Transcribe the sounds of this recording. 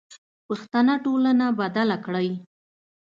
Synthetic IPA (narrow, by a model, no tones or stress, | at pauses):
pəxt̪anaʈolanabad̪alakɽəj